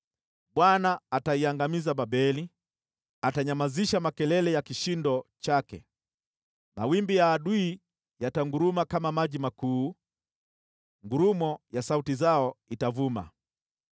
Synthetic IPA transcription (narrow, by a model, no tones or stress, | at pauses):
ɓwanaːtaiaŋɡamizaɓaɓɛli | ataɲamaziʃamakɛlɛlɛjakiʃindɔt͡ʃakɛ̰ | na̰wimbijaːɗuː | jataŋɡuɾumakamamaʄimakuː | ŋɡuɾumɔjasautizaɔitavuma̰